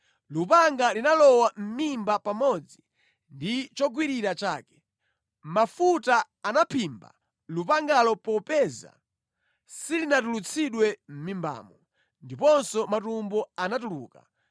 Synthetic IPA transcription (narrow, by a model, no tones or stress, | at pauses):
lupaŋɡalinalɔwam̩mimbapamɔd͡zi | ndit͡ʃɔɡwiɾiɾat͡ʃa̰ːkɛ̥ | mafutaː | napʰimba̰ | lupaŋɡalɔpɔpɛza̰ | silinat̬ulut͡sʰiɗwɛm̩mimba̰ːmɔ | ndipɔnsɔmatumbɔanatuluːka̰